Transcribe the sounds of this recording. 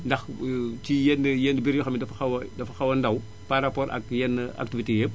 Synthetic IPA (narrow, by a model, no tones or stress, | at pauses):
ndɐxtijɛnːəjɛnəbiɾjɔxɐmidɐfɐxɐwɐdɐfɐxɐwɐndɐw | paɾɐpɔːɾʔɐ̰kjɛnːəa̰k̚tivitejep̚